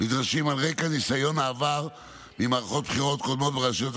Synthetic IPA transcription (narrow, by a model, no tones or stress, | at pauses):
mid̪ʁaʃimalʁekanisajo̞naːvaʁ | mimaʁχo̞t̪̚b̥χiʁo̞t̪̚ko̞d̪mo̞t̪̚beʁaʃjot